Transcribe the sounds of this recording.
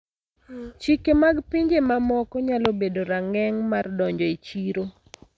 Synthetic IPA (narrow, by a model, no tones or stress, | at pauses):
t͡ʃikemaɡpiɲd͡ʒemamɔkɔɲalobedoɾaŋɛŋmardɔɲd͡ʒɔit͡ʃiɾo